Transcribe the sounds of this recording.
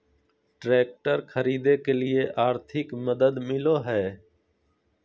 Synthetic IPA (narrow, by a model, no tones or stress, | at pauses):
ʈɾeːk̚ʈəɾkʰəɾiːd̪eːkeːlɪeːʔaːɾt̪ʰɪkməd̪əd̪mɪloːɦɛː